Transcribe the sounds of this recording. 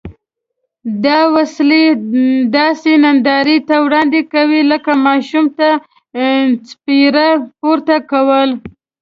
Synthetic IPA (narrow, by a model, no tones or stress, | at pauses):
d̪ɑwasled̪ɑsenand̪ɑɾit̪awɽɑnd̪ekawiləkamɑʃumt̪a | spiɾapoɾt̪akawəl